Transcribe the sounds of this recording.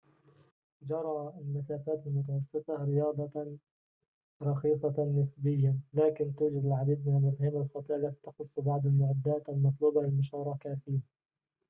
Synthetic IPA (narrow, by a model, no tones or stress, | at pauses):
d͡ʒɑɾˤɑːalmasaːfaːt̪almʊt̪ɑwɑsˤːɨt̪ˤɑɾɪjɑːd̪ˤɑ | ɾˤɑxiːsˤɑnːɪsbɪjːalaːkɪnt̪uːd͡ʒad̪ɪlʕad̪iːd̪̚mɪnalmʊfhaːmalxɑt̪ˤiːʔalːat̪i̥ːt̪ɑ̥xʊsˤːbɑʕd̪ˤalmʊʕad̪ːaːt̪almɑt̪ˤluːbalɪlmʊʃɑːɾˤɑkafiːa